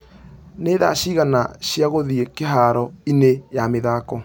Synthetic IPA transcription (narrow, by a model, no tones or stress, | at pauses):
neða̰ɕiɣana̰ɕjaɣoðiekeɦaɾɔinejameðaːkɔ